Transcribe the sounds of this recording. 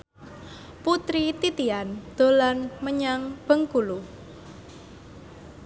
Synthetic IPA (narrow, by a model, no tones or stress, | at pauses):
put̪ɾit̪it̪iand̪̥o̤lanməɲaŋb̥əŋkulu